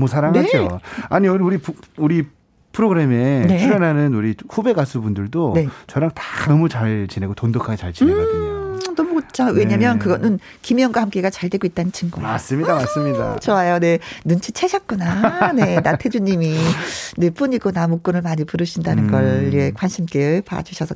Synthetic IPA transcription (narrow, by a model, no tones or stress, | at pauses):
mwʌsʰaɾaɦnaed͡ʑoaɲiʌuɾipuɾi | pʰɯɾoɡɯɾe̞me̞ne̞uɾenanɯnuɾiɸube̞ɡasʰubundɯɭdone̞t͡ɕʌɾaŋtḁnʌmut͡ɕaɭt͡ɕine̞ɡotondokʰaɡet͡ɕaɭt͡ɕi | nʌmukɯt͡ɕʰawe̞ɲamjʌnkɯɡʌnɯn | kimjʌŋɡwahamk͈e̞ɡat͡ɕaɭdwe̞ɡoit̚t͈anɯnt͡ɕʰinɡoema̰s͈ɯmɲidamas͈ɯmɲida̰t͡ɕʌwajone̞nɯnt͡ɕʰit͡ɕʰeɕʰʌk̚k͈unane̞natʰed͡ʑuɲimine̞p͈uɲiɡonamok͈̚ɯnɯɭmaɲipuɾɯɕʰindanɯnɡʌɭekwanɕʰimk͈epa̰a̰d͡ʑuɕʰʌsʰʌ